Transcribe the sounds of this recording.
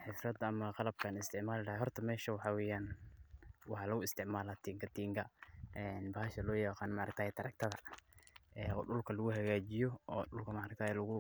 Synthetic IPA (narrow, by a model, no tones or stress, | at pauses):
ħɪsrɐd̪ɐɐmɐqɑlɐb̚kʰaːnɪst̪ʰɪʕmaːlɪɽɐhɛɦɔrt̪ʰɐmɛːʃɐwɑħɑwɛːjaːn | wɑħɑlɐɣʊɪst̪ʰɪʕmaːlat̪ʰiːŋkʰɐt̪ʰiːŋkʰɐɛːnbaːhɐʃɐlɔːjɑqɑːnmaʔɾɐkt̪aːhɛt̪ʰɐɾɐk̚t̪ʰɐðɐ | ɛːɔːɖʊlkʰɐlɐɣʊɦɐɣaːt͡ʃɪjɔɔːɖʊlkʰɐmaːɾɐk̚t̪ʰaːhɛlɐɣʊ